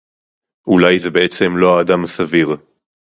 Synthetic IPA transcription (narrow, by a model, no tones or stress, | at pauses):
ʔulajzebeet͡se̞mlo̞aːd̪amasaviʁ